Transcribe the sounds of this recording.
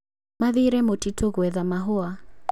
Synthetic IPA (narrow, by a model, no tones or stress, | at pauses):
maðiɾɛmotitʰoɣwɛðamaɦoa